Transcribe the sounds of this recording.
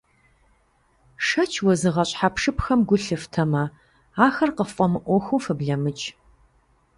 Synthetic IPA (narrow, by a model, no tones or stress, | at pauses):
ʂɐt͡ʃʰwɔzɨʁɐɕʼħapʂɨpʰxɐmɡʷʊɬɨftʰɐmɐ | aːxɐrqəffʼɔmɨʔʷɔxʷuːfɨbɮɐmɨt͡ʃʼ